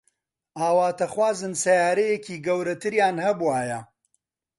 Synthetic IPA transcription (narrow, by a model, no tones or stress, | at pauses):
ʔaːwaːt̪ʰɐχwaːzɨnsɐjaːɾɐjeciːɡɐwɾɐt̪ʰɨɾjaːnhɐbuwaːjɐ